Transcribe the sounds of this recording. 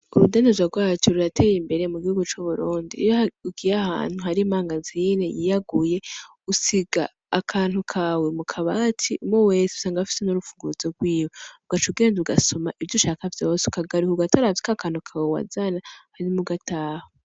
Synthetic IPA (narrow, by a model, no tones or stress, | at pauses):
uɾudandazwaɡwaːt͡ʃoɾuɾatʰe̞jimbe̞ɾe̞muɡihuɡut͡ʃuβuɾuːndḭjouɡiaha̰ːn̥huhaɾiimaːŋɡazinejijaɡuje̞ | usiɡaː | kʰaːn̥hukʰawemukʰaβatʰiʔmoweseusaːŋɡaufi̥senuɾufu̥ːŋɡuzoɡwiːwouɡat͡ʃuɡeːnduɡasomaʔivjuʃakavjosu̥kaɡaɾihuɡataɾavikakʰaːn̥hukʰawewa̰zanahaɾimuɡataːho